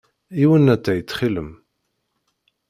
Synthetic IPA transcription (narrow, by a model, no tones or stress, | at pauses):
iwənæt͡s̪ːæjət͡sːχilə̰m